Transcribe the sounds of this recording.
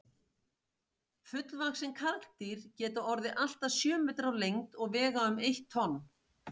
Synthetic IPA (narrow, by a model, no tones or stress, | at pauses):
fʏt̪lvaxsɛmkʰaɾkt̪iɾ̥cɛːt̪aɔɾðɪʔal̥t̪asjœːmːɛːt̪ɾawlejŋt̪ɔɣvɛːɣaʏmejht̪ʰːɔnː